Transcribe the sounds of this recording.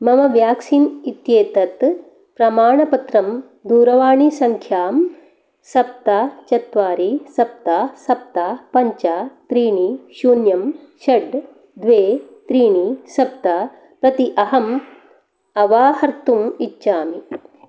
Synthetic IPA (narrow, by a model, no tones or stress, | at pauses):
mɐmɐʋjaːksiːnit̪jeːt̪ɐt̪ | pɾɐmaːɳɐpɐt̪ɾɐm | d̪uːɾɐʋaːɳisɐŋkʰjaːm | sɐp̚t̪aːt͡ʃɐt̪ʋaːɾisɐp̚t̪aːsɐp̚t̪aːpɐɲt͡ʃaːt̪ɾiːɳiʃuːnjɐm | ʃɐɖ | d̪ʋeːt̪ɾiːɳisɐp̚t̪aː | pɾɐt̪iʔɐɦɐm | ɐʋaːhɐɾt̪umitːʃaːmi